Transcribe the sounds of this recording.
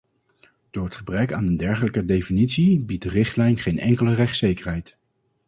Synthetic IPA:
d̥ʊːɹɦətχəbrɛkaːnəndɛɹχələkədejfinitsibit̚dərɪχtlɛjnχejnɛ̰ŋkələrɛχtsejkəɹɦɛjt

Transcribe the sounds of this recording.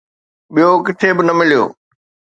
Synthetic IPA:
ɓijokɪt̪ʰebɪnɐmɪlijo̰ː

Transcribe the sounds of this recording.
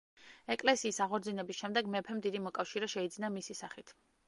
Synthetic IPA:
ɛkʼlɛsiːsaʁɔɾd̪zinɛbisʃɛmd̪ɛɡmɛpʰɛmd̪id̪imɔkʼafʃiɾɛʃɛid̪zinamisisaχit̪ʰ

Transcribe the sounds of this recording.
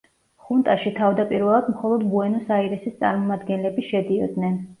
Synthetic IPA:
χunt̪ʼaʃit̪ʰavd̪apʼiɾvɛlˠad̪mχɔlˠɔd̪buɛnɔsaiɾɛsist̪sʼa̰ɾmɔmad̪ɡɛnlɛbiʃɛd̪iɔd̪nɛn

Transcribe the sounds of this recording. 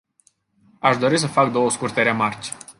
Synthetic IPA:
aʃd̪o̞ɾis̬əfakd̪o̞wəskurt̪e̞ɾe̞mart͡ʃʲ

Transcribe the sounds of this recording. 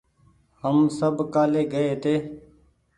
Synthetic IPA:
həmsəbkaːleːɡəeːt̪eː

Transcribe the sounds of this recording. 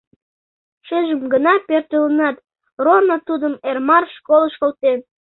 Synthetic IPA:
ʃeʒəmɡənɑpørt̪ølənɑt̪̚ | ronot̪ud̪əmermɑrʃkolˠəʃkolt̪en

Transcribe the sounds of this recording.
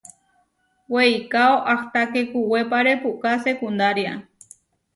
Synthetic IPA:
wejkaoʔaht̪akekuwepaɾepuʔkasekund̪aɾja

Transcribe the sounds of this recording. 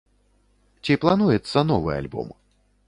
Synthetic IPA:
t͡sʲiplˠanujɛt̪sːɐnɔvɨ̰a̰lʲbɔ̰m

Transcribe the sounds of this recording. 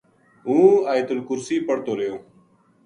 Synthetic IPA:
ɦũːaːjt̪ʊlkʊɾsiːpəɽt̪oːɾejõː

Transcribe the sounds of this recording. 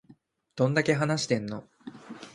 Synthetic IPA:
d̪̥õ̞nd̪ake̞ɦanaɕi̥t̪ẽ̞nːo̞

